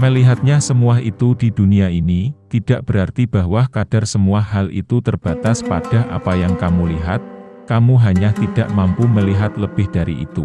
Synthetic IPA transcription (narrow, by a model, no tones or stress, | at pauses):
məliɦat̪̚ɲasəmuaɦit̪udiduniainit̪id̥aʔb̥əɾart̪ib̥aɦwahkad̥arsəmuaɦalʔḭt̪ut̪ərb̥at̪aspa̰d̥a̤ʔa̰pajaŋkamuliɦa̰t̪̚kamuɦaɲat̪id̥aʔmampuməliɦat̪ləb̥ɪhd̥aɾḭʔḭt̪u